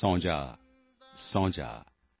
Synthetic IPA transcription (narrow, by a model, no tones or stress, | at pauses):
ɔ̃ːd͡ʒa̰ | sɔ̃ːd͡ʒa̰ː